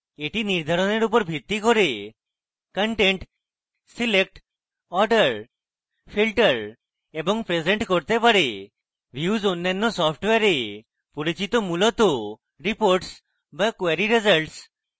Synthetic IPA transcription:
eʈiniɾd̪ʱɔɾɔneɾup̬ɔɾbʱit̪ːikɔɾe | kəɳʈeɳʈ | silek̚ʈ | ɔɾɖəɾ | pʰilʈəɾ | ebɔŋpɾezeɳʈkɔɾt̪epaɽe | ʋjuzonːajnːɔsɔpʰʈʋeɾe | puɾit͡ʃit̪ɔmulɔt̪o | ɾipoɾʈs | bakweɾiɾezəlʈs

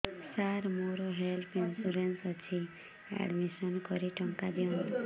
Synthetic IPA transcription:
saɾmoɾɔɦelpʰinsuɾensʌt͡ʃʰi | ɛ̰ɖmisɔnkɔɾiʈɔŋkad̪iɔn

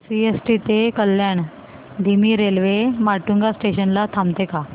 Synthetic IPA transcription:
siesʈit̪ekəlːjaɳ | d̪ʱimiːɾelʋemaʈuŋɡasʈeɕənlat̪ʰamt̪eka

